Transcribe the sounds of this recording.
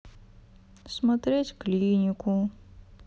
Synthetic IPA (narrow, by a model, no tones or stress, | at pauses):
smɐt̪ɾʲetʲklʲinʲikʊ